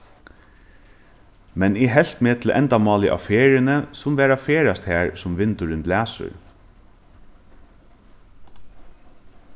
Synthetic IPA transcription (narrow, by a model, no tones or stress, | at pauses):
mɛnɪɦɛl̥t̪meːt̪ʰɪlʔɛ̰nt̪amɑːlɪʔa̰feːɹɪnəsʊmʋæːɾafeːɾast̪hæːɹsʊmʋɪnt̪ʊɾʏnt̪læːsʊ̰ɹ